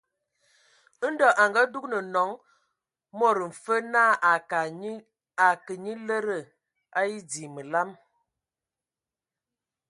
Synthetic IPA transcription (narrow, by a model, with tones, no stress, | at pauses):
n̩˦dɔ˨ʔa˨ŋɡa˦du˦knə˨nɔ˨˦ŋ | mo˦˨ɾə˨m̩˨fə˦na˦˨a˨ka˨˦ | a˨kə˨ɲi˦lə˦ɾə˦˨ | a˦i˦di˨mə˨la˦m